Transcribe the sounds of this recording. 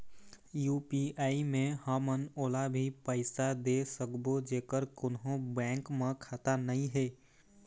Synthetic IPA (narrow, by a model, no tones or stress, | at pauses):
juːpiaːimẽhəmənoːlabʱipəɪsad̪esəkbod͡ʒeːkəɾkʊnɦõbɛ̃ːŋkmẽkʰaːt̪anəɦĩɦɛː